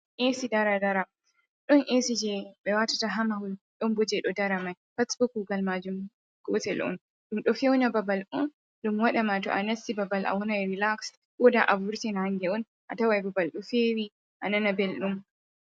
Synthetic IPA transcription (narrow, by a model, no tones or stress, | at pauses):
ʔesidaɾadaɾa | ɗɔnʔesid͡ʒɛɓɛwatataɦamahulɗɔnbɔd͡ʒɛɗɔdaɾamaj | fasbuk̚ɡuɡalmad͡ʒum | ɡ̥ɔtɛlʔɔ̰n | ɗumɗɔfewnababalʔɔn | ɗumwaɗamatɔ̰ʔanasibabalʔa̰wɔnajɾilaks | ɓɔdaʔavuɾtɛnahaŋɡɛɔn | ʔatawajbabalɗɔfewi | ʔananabɛlɗum